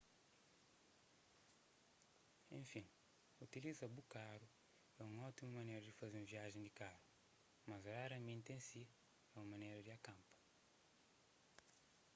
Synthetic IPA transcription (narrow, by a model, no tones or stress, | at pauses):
ḛ̃fĩ | ut̪ilizɐbukaɾu | ɛũŋɔt̪imɐmɐnejɾɐd̪ɪfazeɾ̃viaʒẽj̃d̪ɪkaɾu | mɐzoɾaɾɐmẽnt̪ẽsi | ɛũɐmɐ̃nejɾɐd̪ɪakɐ̃mpɐ̥